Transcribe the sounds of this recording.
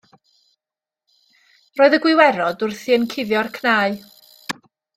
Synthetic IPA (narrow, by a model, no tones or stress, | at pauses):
roːɨðəɡwɪwɛɾɔdʊrθiənkʰɪvjɔrkʰnaːɨ